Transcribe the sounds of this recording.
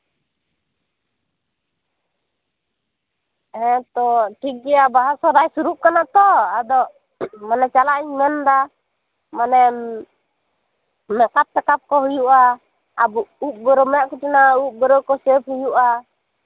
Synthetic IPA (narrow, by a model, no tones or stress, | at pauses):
ɛt̪ɔʈiɡiabaɦasɔɾaisuɾuʔkanat̪ɔadɔ | manɛt͡ʃalaʔiɲmɛnda | manɛn | mɛkap̚t̪ɛkap̚kɔɦujuʔa | abuʔuʔ̚bɔɾɔmɛaʔkutinauʔ̚bɔɾɔkɔsɛphujuʔa